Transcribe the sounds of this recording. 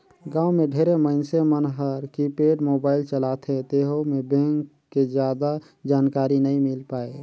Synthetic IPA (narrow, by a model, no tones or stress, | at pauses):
ɡãːumẽɖʱeːɾeməɪnsemənɦəɾkipeːɖmoːbaːɪlt͡ʃəlat̪ʰẽt̪eɦomebẽŋkːed͡ʒjad̪a | d͡ʒaːnkaːɾinəĩmɪlpaːe